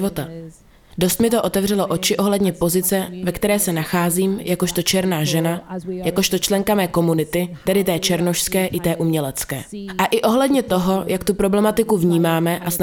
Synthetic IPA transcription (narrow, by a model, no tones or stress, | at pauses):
ot̪a | do̞st̪mɪt̪o̞ʔo̞t̪ɛvr̝ɛloʔo̞t͡ʃɪʔo̞ɦlɛdɲɛpo̞zɪt͡sɛvɛkt̪ɛɾɛːsɛnaxaːziːmjʔako̞ʃt̪o̞t͡ʃɛɾnaːʒɛnajako̞ʃt̪o̞t͡ʃlɛŋkamɛːko̞munɪt̪ɪt̪ɛdɪt̪ɛːt͡ʃɛɾnoʃskɛːʔɪt̪ɛːʔumɲɛlɛt͡skɛ̰ːʔaʔɪʔo̞ɦlɛdɲɛt̪o̞ɦo̞jʔakt̪upɾo̞blɛmat̪ɪkuvɲiːmaːmɛʔasn